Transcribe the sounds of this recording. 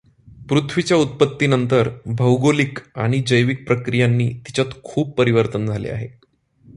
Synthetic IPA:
pɾut̪ʰʋit͡ɕjaut̪̚pət̪ːinənt̪əɾbʱəwɡolika̰ɽ̃id͡ʑəjʋik̚pɾəkɾijanːḭːt̪i̥t͡ɕjat̪kʰuːb̚pːəɾiʋəɾt̪ənd͡zʱalḛa̰ɦe

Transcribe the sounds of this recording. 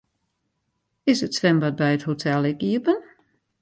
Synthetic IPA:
ɪsətsʋɛmbat̚bɛjəthotʰɛlˠɪkiəpən

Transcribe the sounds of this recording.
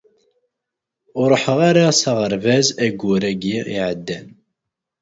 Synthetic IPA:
ʊɾˤəħəʁaɾasaʁəɾvæzæɡːʊɾæɡiḭʕəd̪ːæn

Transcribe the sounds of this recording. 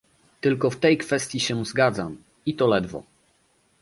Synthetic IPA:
t̪ɘlkɔft̪ɛjkfɛst̪ʲjiɕɛzɡad̪zam | it̪ɔlɛd̪vɔ̰

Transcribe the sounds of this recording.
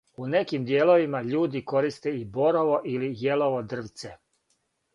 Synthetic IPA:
une̞kimd̪jeːlo̞ʋimaʎuːd̪iko̞ɾist̪eibo̞ɾoʋo̞ʔilijeloʋod̪r̩ʋt̪se

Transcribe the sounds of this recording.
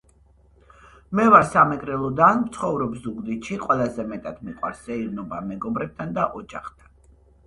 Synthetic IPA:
mɛvaɾsamɛkʼɾɛlˠɔd̪anmt̪sʰχɔvɾɔbzuɡd̪iʃiqʼwɛlˠazɛmɛt̪ʼad̪miqʼwa̰ɾsɛiɾnɔbamɛɡɔbɾɛb̚t̪ʰand̪aʔɔd͡ʒaχt̪ʰan

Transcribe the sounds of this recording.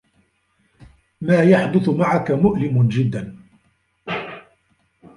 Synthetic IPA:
maːjaħd̪ʊθmaʕakamʊʔlɪmd͡ʒɪd̪ːan

